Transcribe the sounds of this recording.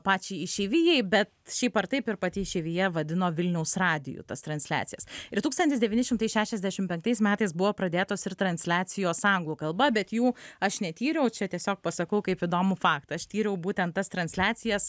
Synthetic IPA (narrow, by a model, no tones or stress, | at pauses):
pɑːt͡ʃʲɛɪiʃʲɛːʋʲiːjɛɪbʲɛt̪ʃʲɛɪpɐɾt̪ɐɪpɪɾpɑt̪ʲɪʃʲɛːʋʲijɛʋɐd̪ʲɪnoːʋʲɪlʲnʲɛʊsrɑːd̪ʲɪ̰jṵːt̪ɐst̪ɾɐnʲsʲlʲæ̰ːt̪t͡ssʲɪjɛsɪɾt̪uːkst̪ɐnʲt̪ʲɪsd̪ʲɛʋʲiːnʲɪʃʲɪmt̪ɐɪsʃʲæːʃʲɛzʲd̪ʲæʃʲɪmpʲɛŋk̚t̪ɐɪsmʲæːt̪ɐɪsbʊʋoːpɾɐd̪ʲeːt̪oːsɪɾt̪ɾɐnʲsʲlʲæːsʲɪjoːsɐŋɡlˠuːkɐlˠbɐbʲɛt̪juːɐʃnʲɛt̪ʲiːɾʲɛʊt͡ʃʲɛt̪ʲiɛsʲoːk̚pɐsɐkɐʊkɐɪpid̪oːmʊfɑːkt̪ɐʃt̪ʲiːɾʲɛʊbuːt̪ʲɛnt̪t̪ːɐst̪ɾɐnʲsʲlʲæːt̪t͡s̪ʲɪjɛs